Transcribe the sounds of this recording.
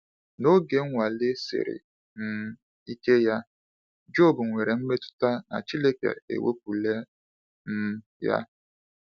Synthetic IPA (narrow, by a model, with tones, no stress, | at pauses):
no˦ɡe˨ŋ̩˦ŋʷa˨lɪ˦sɪ̰˨ɾɪ̰˨ | n̩˨ | i˦ke˦ja˦ | d͡ʒo˦˨bu˨ŋʷe˨ɾe˨m̩˦me˦tʊ̥˦ta˦na̰˨t͡ʃi˦le˦kḛ˨ḛ˨wʔḛ˦p̚u˨le˦ | n̩˦ | ja̰˦